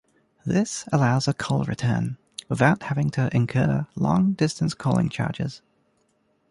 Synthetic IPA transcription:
ðɪsəlaʊzəkʰʌʊlˠɹɨ̰tʰɜ̰̃˞n | wɪðaʊt̚hævɪ̃ŋtʰəʔɪ̃nkʰɜːlɔ̰̃ŋdɪstə̃nskʰɔlˠɪ̰̃ŋt͡ʃʰɑ̰ːɹd͡ʒɪ̰z̥

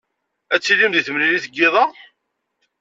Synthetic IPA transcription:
æt͡sːilimðiθəmliliθəɡːɪðˤɑ

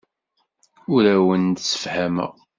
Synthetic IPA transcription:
ʊɾæwənd̪sə̥fhæmæ̰

